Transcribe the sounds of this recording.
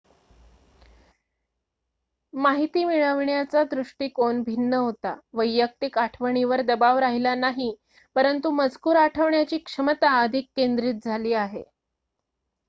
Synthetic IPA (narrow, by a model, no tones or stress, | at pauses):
maɦit̪iːmiɭəʋɳjat͡sad̪ɾuʂʈiːkoɳbʱinːəɦot̪a̰ʋəjːək̚t̪ikaʈʰʋəɳ̃iʋəɾd̪əbaʋɾaɦilanaɦi | pəɾənt̪uməd͡zkuːɾaʈʰəʋɳjat͡ɕiːkʂəmət̪aəd̪ʱikːend̪ɾiːt̪̚d͡zʱaliːaɦḛ